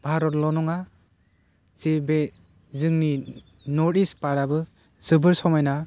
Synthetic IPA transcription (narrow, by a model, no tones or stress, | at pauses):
b̥ʱaɾɔtlɔnɔŋa | z̥ibe | zɯŋni | nɔɾispaɾabɯ | z̥ɯbɯɾsɔmajna